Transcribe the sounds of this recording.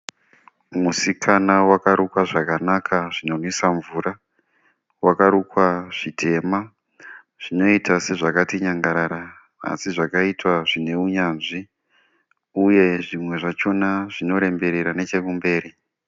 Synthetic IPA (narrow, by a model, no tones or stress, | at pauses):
musikʰanawakaɾukwaʐakanakʰaʐino̞nwisaɱvuɾa | wakaɾukwaʐ̥itʰe̞ma | ʐ̥ino̞itase̞ʐakatiɲaŋɡaɾaːɾa | a̰siʐakaitwaʐine̞uɲaːnʐi | uje̞ʐimwe̞ʐat͡ʃo̞naʐino̞ɾe̞mbe̞ɾeɾane̞t͡ʃe̞kumbe̞ːɾi